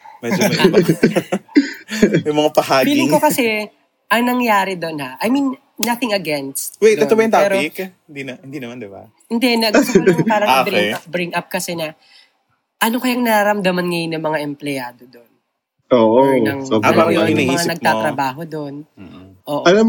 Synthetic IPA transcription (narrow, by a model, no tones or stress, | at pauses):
mɛd͡ʒomb | jʊmɐŋapɐhaːbiːlɪŋkokɐsɛ | ʔɐŋnɐŋjaːɾɛd̪o̞nhaʔɐjminː | ɐθɪŋɐɡɛnst̪wejt̪ɛt̪obɐjʊ̃t̪aɛpɾkhɪnd̪inɐhɪnd̪inɐmand̪ɪba̰ | hɪnd̪ɛnɐɡpaːɾɐŋabɛbɾɪŋʔɐp̚kɐsɛnɐ | ʔɐno̞kɐjaŋnɐɾaɾɐmd̪ɐmɐnŋɐjnːɐmɐŋaʔɛmplɛjaːd̪od̪on | ʔoːʔoɐŋoaaɐɐmiŋannɐɡ̪̚at̪ɾɐbaːɦo̞d̪o̞nʔoːʔɐla